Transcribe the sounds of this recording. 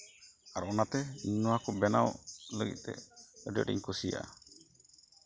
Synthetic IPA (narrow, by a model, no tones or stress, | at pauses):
aɾʔɔnat̪ɛɲnɔwakubɛnawləɡḭt̪̚ˀt̪ɛ̰əɖə̰ɖḭɲkusija̰ʔa